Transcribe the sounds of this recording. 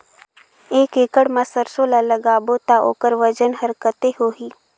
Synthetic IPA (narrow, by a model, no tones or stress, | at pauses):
eːkeːkəɽmãsəɾsoːlaləɡaːboːt̪aʔo̰ːkəɾʋəd͡ʒənɦɐɾkət̪eɦoːɦiː